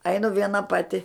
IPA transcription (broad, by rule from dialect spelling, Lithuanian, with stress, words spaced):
ˈɐɪnʊ ˈʋʲiɛnɐ ˈpɑːtʲɪ